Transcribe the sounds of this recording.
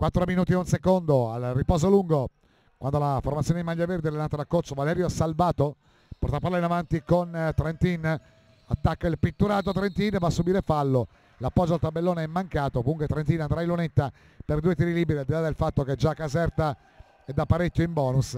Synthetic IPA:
kwat̪ːɾominuːt̪̬ieunsekond̪oa̰lripɔːzoluŋɡo | kwand̪olaformat̪sjoːned̪imaʎːaverd̪eɛlenːaːt̪ad̪akːoɾt̪sovalɛɾjoɛsalvaːt̪o | pɔɾt̪apːaɾlaɾinavant̪ikont̪ɾɛnt̪in | at̪ːakːailpit̪ːuɾaːt̪̬ot̪ɾent̪invasːubiːɾefalːo | lapːɔd͡ʒːoalt̪abːelːoːneɛmːaŋkaːt̪ovuŋkwet̪ɾent̪inand̪ɾailːunet̪ːa | perd̪uːet̪iɾiliːbɛɾiald̪ilad̪elfat̪ːok̟ed͡ʒakːazɛrt̪a | ɛd̪apːaɾekʲːoimbɔːnus

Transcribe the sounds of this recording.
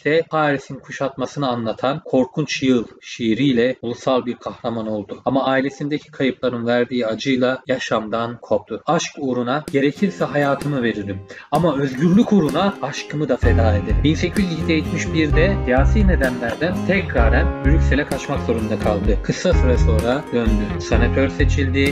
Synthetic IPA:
ct̪ʰɛhaːɾisinkʰuʃat̪masɯnɯanlˠat̪ʰankʰo̞ɾkʰunt͡ʃʰjɯlˠʃiːɾijlʲɛulˠusalˠbiɾkʰahɾamano̞lˠd̪ʊamaːilʲe̞sind̪ecʰi̥kʰajɯplˠaɾɯnvæɾd̪iːad͡ʒɯjlˠajaʃamd̪ankʰo̞p̚t̪ʰuaʃkuɾunaɟ̥e̞ɾecʰiɾsɛɦajaːt̪ʰɯmɯve̞ɾild̪imamaø̞zɟyɾlʲykuɾunaːʃkʰɯmɯd̪afe̞d̪aːed̪ibinse̞cʰyzicid̪ejit͡ʃ̪miʃbiɾd̪ɛd̪ijaːsiːne̞d̪ænlʲæɾd̪ænt̪ʰɛcɾaːɾænbyɾycʲselʲɛkʰat͡ʃmakzo̞ɾund̪akʰalˠd̪ɯkʰɯsːasɯɾaso̞ːɾad̪ønd̪ysenat̪ʰøɾse̞t͡ʃʰilʲd̪i

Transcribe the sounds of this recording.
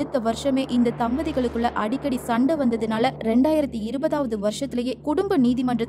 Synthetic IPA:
ɯt̪ːɐʋɐɾʂɐmeːʔɪnd̪ɐt̪ɐmbɐðɪɣɐɭɯkːɯɭːɐʔɐɽɪkːɐɽisɐɳɖɐʋɐnd̪ɐðɯnaːlɐɾɛɳɖaːjɪɾɐt̪ːiɪɾɯbɐðaːʋɐðɯʋɐɾʂɐt̪ːɪlɐjeːkʊɽʊmbɐniːðimɐndrɐ

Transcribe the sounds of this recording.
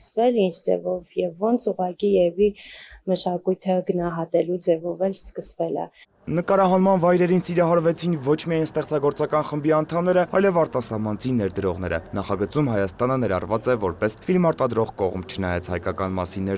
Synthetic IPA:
əsvɛlind͡zd͡zɛ̰vɔvjɛvːɔnt͡sʰuʁɑkijɛviməʃɑkujt̪ʰəɡənɑɦɑt̪ɛlud͡zɛvɔvɛlskəsvɛlə̰ | nəkɑɾɑɦɑnmɑnvɑjɾɛɾinsiɾɑɦɑɾvɛt͡sʰinvɔt͡ʃʰmijɑjnst̪ɛχt͡sɑɡɔɾt͡sɑkɑnχəmbiɑnt̪ʰɑmnɛɾəɑjlɛvɑɾt̪ɑsɑmɑnt͡sʰinːɛɾd̪əɾɔʁnɛɾə̰nɑχɑɡət͡sumhɑjɑst̪ɑnənɛɾɑ̰rvɑt͡sɛvɔɾpɛsfilmɑɾt̪ɑd̪ɾɔʁkɔʁmt͡ʃʰənɑjɑt͡sʰhɑ̰jkɑkɑnmɑ̰sinːɛ

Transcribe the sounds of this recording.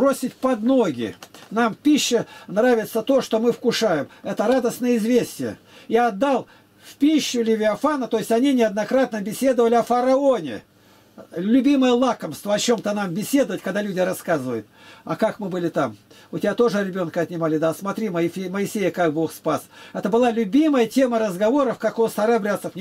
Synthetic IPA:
bosʲɪtʲpɐd̪no̞ɡʲɪ̰nampʲiɕːɪnravʲɪt̪sət̪o̞ʂt̪omɨfkʊʂajɪmɛt̪əɾad̪əsnəjəɪzvʲesʲtʲɪjə̰ | iɐd̪ːalˠ | fpʲiɕːʊlʲɪvʲɪɐfanət̪o̞jɪsʲɐnʲinʲɪɐd̪nɐkɾat̪̚nəbʲɪsʲe̞d̪əvəlʲɪɐfəɾɐonʲɪ̰ | lʲʊbʲiməjəlˠakəmst̪vəɐt͡ɕo̞mt̪ənambʲɪsʲe̞d̪əvətʲkɐɡd̪alʲudʲɪɾɐskazɨvəjʊt̪̚ɐ̰kakmɨbɨlʲɪt̪amʊtʲɪbʲat̪o̞ʐɨɾʲɪbʲo̞nkəɐt̪ʲnʲɪmalʲɪd̪asmɐt̪ɾʲiməɪeməɪsʲejəkak̚bo̞xspasɛt̪əbɨlˠalʲʊbʲiməjətʲe̞məɾəzɡɐvo̞ɾəfkɐkost̪ɐɾabɾʲat̪səfnʲ

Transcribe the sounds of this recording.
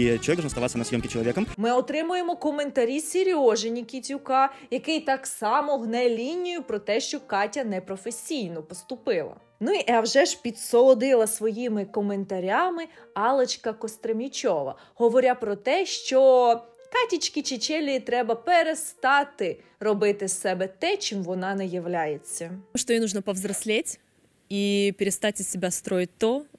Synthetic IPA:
t͡ʃɔikd̪ɔnɔst̪ɐʋɑt̪sʲɐnɐsʲjɔmkʲɪt͡ʃɔlˠɔʋʲikɔmmɪɔt̪ɾɪmʊjemɔkɔment̪ɐɾʲisʲeɾʲɔʒenʲikʲit͡sʲʊkɑjɐkɪjt̪ɑksɑmɔɦnɛlʲinʲijʊpɾɔt̪ɛʃt͡ʃɔkɑtʲɐnɛpɾɔfesʲijnɔpɔst̪ʊpɪlˠɐ̰ | nuiʔawʒɛʒpʲit̪sɔlˠɔd̪ɪlˠɐsʋɔjimɪkɔment̪ɐɾʲamɪ | ɑlˠɐt͡ʃkɐkɔst̪ɾɐmʲit͡ʃɔʋɐ̰ | ɦɔʋɔɾʲapɾɔt̪ɛʃt͡ʃɔkɑtʲit͡ʃʲkʲit͡ʃɪt͡ʃɛlʲːiit̪ɾɛbɐpeɾest̪ɑt̪ɪ | rɔbɪt̪ɪsɛbɛt̪ɛt͡ʃɪmʋɔnɑnɛjɐʋlʲajet͡sʲːɐʂt̪ɔjnuʐnəpɐvzɾɐsʲlʲetʲ | ipʲɪɾʲɪst̪atʲɪsʲɪbʲast̪ɾojɪt̚ʲt̪ɔ

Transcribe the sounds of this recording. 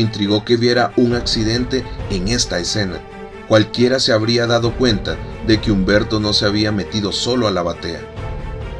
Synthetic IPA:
int̪ɾiɣo̞ke̞βjeɾauŋaksiðe̞nt̪e̞ːŋe̞st̪aese̞na̰ | kwalkje̞ɾase̞aβɾiaðaðo̞kwe̞nt̪a | ðe̞keumbe̞ɾt̪o̞no̞seaβiame̞t̪iðo̞so̞lo̞alaβat̪e̞a̰

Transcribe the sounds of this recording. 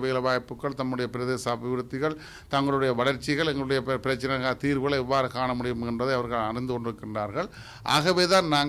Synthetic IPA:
ʋeːlɐʋaːjpːɯkːɐɭt̪ɐmːɯɽɐjɐpɪɾɐðeːsabɪʋɾɯt̪ːɪɣɐɭ | t̪ɐŋɡɐɭɯɽɐjɐʋɐɭɐɾt͡ʃːɪɣɐɭɛŋɡɐɭɯɽɐjɐppɪɾɐt͡ʃːɐnɐɣat̪iːɾʋɯɣɐɭɐɛʋːaːɾɯkaːɳɐmʊɽɪjɯmɛndrɐðɐɪɐʋɐɾɣɐɭɐɾɪnd̪ɯkɔɳɖɪɾɯkːɪndraːɾɣɐɭ | ʔa̰ːɣɐʋeːðaːnnaːŋ

